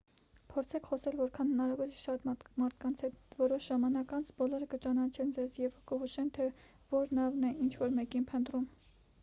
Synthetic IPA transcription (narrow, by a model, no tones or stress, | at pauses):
pʰɔɾt͡sʰɛkʰχɔsɛlvɔɾkʰɑnhənɑɾɑvɔliʃɑt̪mɑɾt̪ʰkɑnt͡sʰhɛt̪vɔɾɔʃʒ̥ɑmɑnɑkɑnt͡sʰbɔlɔɾəkət͡ʃɑnɑt͡ʃʰɛnd͡zɛzjɛvkəɦuʃɛnt̪ʰɛ | vɔɾnɑvnɛint͡ʃʰvɔɾmɛkinpʰənt̪rum